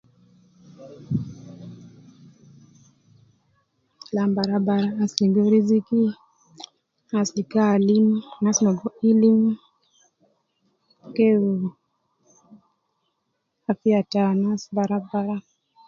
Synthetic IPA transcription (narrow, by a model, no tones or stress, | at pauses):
lambaɾabaɾaːsliɡɔɾiziki | aslikalimnasmaɡɔilim | kɛu | afiatanasbaɾabaɾa